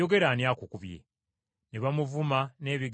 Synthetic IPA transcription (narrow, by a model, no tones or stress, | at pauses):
oɡe̞ɾanjakukuβjḛ | neβamuvumane̞ːβiɡ